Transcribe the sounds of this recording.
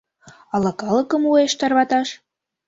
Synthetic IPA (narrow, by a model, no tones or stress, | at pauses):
ɑlɤkɑləkə̆mueʃt̪ɑrβɑt̪ɑʃ